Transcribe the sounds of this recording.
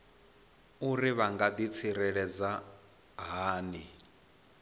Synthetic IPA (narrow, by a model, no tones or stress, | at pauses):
uriβaŋɡad̪it͡sʰiɾɛɺɛd͡za | ɦaːni